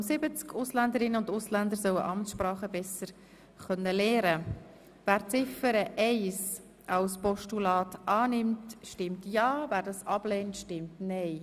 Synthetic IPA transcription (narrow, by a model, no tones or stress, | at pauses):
sɪbət͡skʰʊslænd̪əɾɪnːəʊndʊslænd̪əɾsœwəʔɑmtsʃpɾɑːχəbɛsəɾ | χœnːəlɛːɾə | væːɾt͡sɪfəɾəʔɛɪs | ʔɑwspɔʃtulɑːtʔɑːnɪmtʃtɪmtjɑːvæːɾdɑsɑb̥lɛːntʃtɪmtnɛɪ